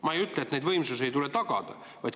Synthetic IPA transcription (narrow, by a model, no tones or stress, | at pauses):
mɑejyt̪ˑleːt̪ne̞jd̪vɤjmsus̬e̞jt̪ulet̪ɑɡ̥ɑ̰d̪̥ɑ̰ | vɑjd̪̥̚